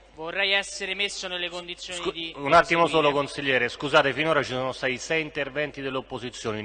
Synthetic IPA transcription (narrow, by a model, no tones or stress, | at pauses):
vorːɛjɛsːeɾemesːonelːekond̪it̪sːjoid̪iunat̪ːimosoːlokonsiʎːɛːɾeskuzaːt̪efinoːɾat͡ʃisoːnost̪aːt̪isɛjint̪ervɛnt̪id̪elːopːozit̪sːjoːni